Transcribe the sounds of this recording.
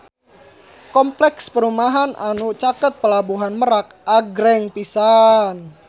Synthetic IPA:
kɔmplɛkspəɾumaɦanʔanut͡ʃakət̪̚pəlabuɦanməɾak̚ | aɡɾɛŋpisan

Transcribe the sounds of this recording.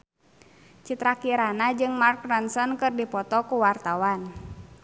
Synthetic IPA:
t͡ʃit̪ɾakiɾanad͡ʒɨŋmark̚ransɔnkɨrdipɔt̪ɔkuwart̪awan

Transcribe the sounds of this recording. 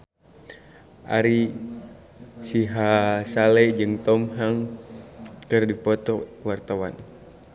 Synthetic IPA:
ʔa̰ɾi | siɦasalɛd͡ʒɨŋt̪ɔmɦaŋ | kɨrdipɔt̪ɔkuwart̪awa̰n

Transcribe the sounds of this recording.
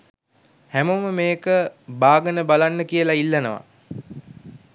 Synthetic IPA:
hæməməmeːkəbaːɡənəbalanːəkijəlailːənəʋa̰

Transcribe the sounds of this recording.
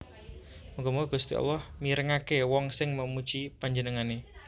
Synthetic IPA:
muɡɔmuɔɡ̥ust̪iɔ̰lɔhmiɾəŋakewɔŋsɪŋməmut͡ʃipaɲd͡ʒənəŋane

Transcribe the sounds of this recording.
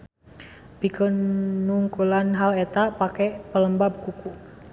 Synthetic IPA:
bikənuŋkulanɦalɛt̪apakɛpələmbabəkuku

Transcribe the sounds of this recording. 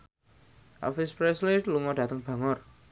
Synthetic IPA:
ʔa̰fispɾɛsliluŋɔɖ̥ä̤t̪əŋb̥a̤ŋɔr

